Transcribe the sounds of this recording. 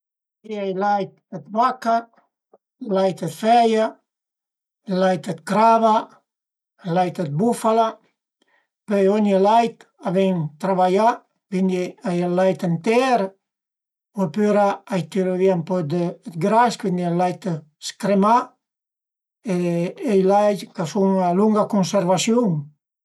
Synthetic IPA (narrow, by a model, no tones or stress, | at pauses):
iajlajt̪ət̪vaka | lajt̪ət̪fɛja | lajt̪ət̪̚kɾava | lajt̪ət̪̚bufala | pøjɔnəlajt̪ | avɛnt̪ɾaβaja | vind̪iajalajt̪ent̪ɛɾ | opyɾaajt̪iɾoviampɔd̪ət̪ɡɾaskvind̪ilajt̪ | skɾema | eejlajt̪kasuŋaluŋɡakunseɾvasjuŋ